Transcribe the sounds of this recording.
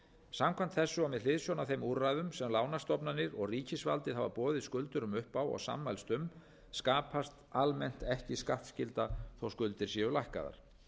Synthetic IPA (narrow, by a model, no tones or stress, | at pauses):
samkʰan̥t̪θɛsːʏawmɛðlɪðsjɔnaθejmuɾrajðʏmsɛmlaːwnast̪ɔpnanːɪɾɔɣriːcɪsva̰lt̪ɪðhava̰pɔːðɪðskʏlt̪ʏɾʏmʏhpawɔ̰ɣsa̰ːmːajlst̪ʏm | skaːpʰast̪almɛn̥t̪ɛhcɪskaht̪scɪlt̪aθawskʏlt̪ɪɾ̥sjɛʏlajhka̰ða̰ɾ̥